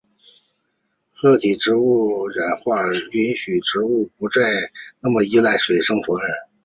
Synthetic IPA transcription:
xɤ˥˩t̪ʰi˨˩ʈ͡ʂɻ̩˧˥u˥˩ɻa˨˩nxwa˥˩y˧˥nɕy˨˩ʈ͡ʂɻ̩˧˥u˥˩pu˧˥t͡sa˥˧ɪna˥˩mə˩i˥la˥˩ɪʂwe˨˩ɪʂɤ˥ŋfɔ˧˥ə˧˩˦n

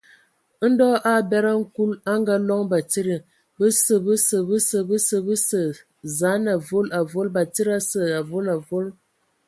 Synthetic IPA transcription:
n̩˦dɔ˦ʔa˦˨bɛ˦ɾa˦ŋ̩˦ku˦la˦ŋ˦ɡa˦lɔ˦ŋba˨ti˦ɾə˨ | bə˦sə˦˨bə˦sə˨bə˦sə˨bə˦sə˨bə˦sə˨ | za˨˦na˨vo˦la˨vo˦lba˨ti˦ɾa˦sə˦˨a˨vo˦la˨vo˦l

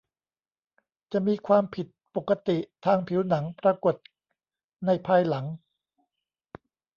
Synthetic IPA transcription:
t͡ɕa˨˩ʔmiː˧kʰwaː˧mpʰi˨˩t̪̚po˨˩kːa˧t̪i˨˩ʔt̪ʰaː˧ŋpʰi˩˦wna˩˦ŋpɾa˧ko˨˩t̪̚ | na˧˩jpʰaː˧jla˩˦ŋ

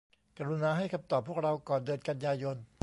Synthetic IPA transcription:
ka˧ɾu˧naː˧ɦa˥˩jkʰa˧mt̪ɔː˨˩pʰːu˥˩ək̚ɾa˧wkɔː˨˩ndɤː˧nka˧njaː˧jo˧n

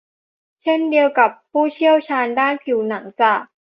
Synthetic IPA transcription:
t͡ɕʰe˥˩ndi˧əwka˨˩pʰːuː˥˩t͡ɕʰi˥˩əwt͡ɕʰaː˧ndaː˥˩nkʰi˨˩˦wna˩˦ŋt͡ɕa˧˨˩k̚

